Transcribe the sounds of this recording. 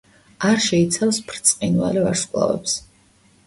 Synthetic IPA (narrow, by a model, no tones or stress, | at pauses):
aɾʃɛit̪sʰafspʰɾt̪sʼqʼinva̰livaɾskʼlˠa̰vɛ̰ps